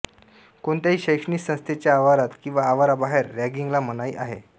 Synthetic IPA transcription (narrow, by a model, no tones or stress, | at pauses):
koɳt̪jaɦiːɕəjkʂniːsə̃st̪ʰet͡ɕjaːʋaɾat̪kĩw̃ʋaːʋaɾabaɦeɾːæɡiŋɡlamənaiːʔaɦe